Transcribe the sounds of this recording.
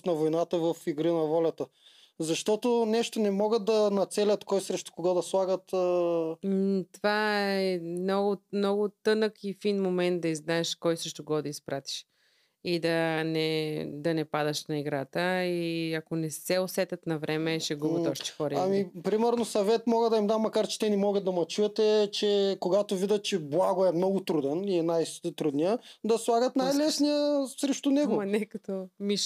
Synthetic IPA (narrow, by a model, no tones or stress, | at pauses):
nɐvojnat̪əvɐfiɡɾinɐvɔlʲɐt̪ə | zɐʃt̪ɔt̪onɛʃt̪onɛmɔɡət̪̚d̪ɐnɐt̪sɛlʲɐt̪kɔjsɾɛʃt̪o̥koɡɔd̪ɐslˠaɡət̪ː | t̪ovaɛmnɔɡʊmnɔɡʊt̪ɤnəkifinmomɛnt̪̚d̪ɐiznaɛʃkɔjsɾɛʃt̪ʊɡɔd̪ɐispɾat̪i̥ʃ | id̪ɐnɛd̪ɐnɛpad̪ɐʃnɐiɡɾat̪əiɐkonɛsɛosɛt̪ɐt̪nɐvɾʔɛmɛʃɛɡubɐɔʃt̪ɛ̥xɔɾɐamipɾimɛɾnosɐvɛt̪mɔɡəd̪ɐimd̪amːɐkaɾt͡ʃɛ̥t̪ɛnimɔɡəd̪̚d̪ɐmɐt͡ʃuɛt̪ɛt͡ʃɛkoɡat̪ovid̪ət̪̚t͡ʃɛblˠaɡoɛmnɔɡʊt̪ɾud̪ɛniɛnajst̪ɾud̪nijəd̪ɐslˠaɡət̪najlɛsnijəsɾɛʃt̪ʊnɛɡoɐnɛkɐt̪omiʃ